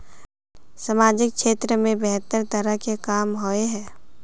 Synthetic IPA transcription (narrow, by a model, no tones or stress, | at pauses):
səmaːd͡ʒɪkkʃeːt̪ɾəmẽbɛɦt̪əɾt̪əɾəkekaːmɦoeɦɛː